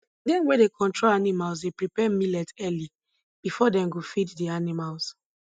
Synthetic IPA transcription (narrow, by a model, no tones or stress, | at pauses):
dɛ̃nwɛdekʰɔ̃ntɹolanimals̬depɹipɛmilɛtɛli | b̥ifɔdɛ̃mɡofiddianimals